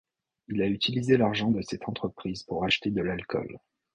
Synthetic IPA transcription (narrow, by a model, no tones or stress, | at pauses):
ilayt̪ilizelaʁʒɑ̃d̪əsɛt̪ɑ̃t̪χəpχizpuʁaʃt̪ed̪əlalkʰɔ̰l